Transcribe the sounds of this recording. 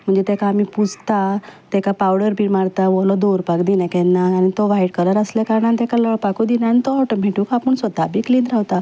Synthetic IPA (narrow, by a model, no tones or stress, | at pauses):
m̤əɳd͡zet̪ekaːmipud͡zt̪at̪ekapawɽəɾbʱiːmaɽt̪aʋɔlɔd̪oɾpakd̪inɛ̃kɛ̃nːaːnit̪ɔʋaiɽkələɾəslakaɾɳãnt̪ekalɔɭpakud̪inanit̪ɔɔʈəmeʈukapəɳsʋəd̪ʱabikliːnɾaʋt̪a